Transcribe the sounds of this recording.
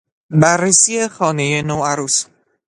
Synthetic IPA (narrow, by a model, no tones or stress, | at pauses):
bærːesiːe̞xɒːne̞jenoːæɾuːs